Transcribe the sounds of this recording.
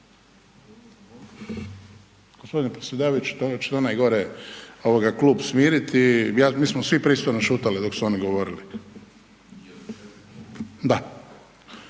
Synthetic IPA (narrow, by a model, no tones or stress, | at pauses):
ɡ̥ospo̞d̪inepɾesjed̪aːʋajut͡ʃu̥t̪ot͡ʃe̥t̪onajɡo̞ɾeo̞ʋoɡakluːbsmiːɾit̪ijaːmiːsmosʋipɾiːst̪ojnoʃuːt̪alid̪o̞ksuo̞niɡo̞ʋo̞ɾili | d̪a